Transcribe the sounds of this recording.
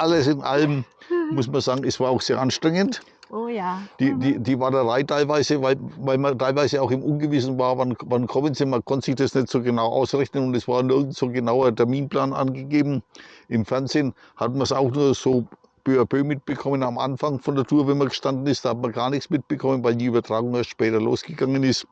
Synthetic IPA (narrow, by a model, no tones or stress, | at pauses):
ʔaləsɪnʔa̰ləmmʊsmanz̥aːɡŋ̩ɛsv̥aːɐaʊxz̥eːɐʔanʃtʁ̥ɛŋəntː | d̥iːdiːd̥iːvaːɐdɐʁaɪtʰaɪlvaɪzəvaɪlvaɪlmɐtʰaɪlvaɪzəaʊxɪmʔʊnɡəvɪsn̩vaːɐvanvankʰɔmənziːmankʰɔntə̥z̥ɪçd̥asnɛtz̥oːɡənaʊʔa̰ʊsʁɛçnənʊntɛsv̥aːɐnɪɐɡŋ̩tz̥oːɡənaʊɐtʰɛɐmiːnplaːnʔa̰nɡəɡeːbm̩ʔɪmfɛɐnzeːn | hatmɐsaʊxnuːɐz̥oː | b̥øːɐbøːmɪt̚b̥əkʰɔmənamʔa̰nfaŋfɔndɐtʰuːɐvɛnmɐɡəʃtandn̩ɪstd̥aːhatmɐɡaːɐnɪçsmɪt̚b̥əkʰɔmənvaɪldiːyːbɐtʁ̥aːɡʊŋeɐstt͡ʃʃpɛːtɐlo̰ːsɡ̥əɡaŋənɪst